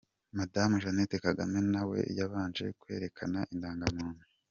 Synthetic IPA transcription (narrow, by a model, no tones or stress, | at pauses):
madamuʒanetekaɡa̰me̞nawe̞̰jaβaːnd͡ʒe̞̰kwe̞̰ːɾe̞kʰanaʔindaːŋɡamuːnu